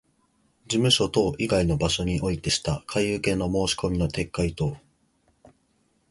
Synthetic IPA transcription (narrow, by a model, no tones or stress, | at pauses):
d͡ʑimɯ̟ɕo̞t̪o̞ːʔiɡaino̞baɕo̞ɲ̟iʔo̞it̪e̞ɕi̥t̪akʰaiɯ̟kẽ̞nːo̞mo̞ːɕi̥ko̞mʲino̞t̪ʰe̞kːait̪o̞ː